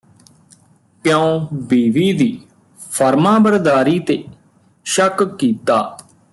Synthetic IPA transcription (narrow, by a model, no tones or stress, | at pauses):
pjãõːbiːʋiːd̪iː | pʰəɾmãːbəɾd̪aːɾiːt̪eː | ʃəkkiːt̪aː